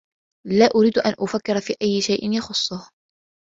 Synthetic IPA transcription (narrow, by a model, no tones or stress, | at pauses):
laːʔʊɾiːd̪ʔa̰nʔʊfakːɪɾfiːʔajːɪʃajʔɪnjɑxʊsˤːʊh